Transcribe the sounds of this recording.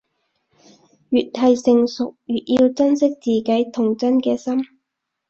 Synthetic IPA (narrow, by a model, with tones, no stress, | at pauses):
jyː˨t̚hɐ˨jsɪ˨ŋsʊ˨k̚jyː˨t̚jiː˧wt͡sɐ˥nsɪ˥k̚t͡siː˨kɐ˨˥jt̪ʰʊ˨˩ŋt͡sɐ˥nkɛː˧sɐ˥m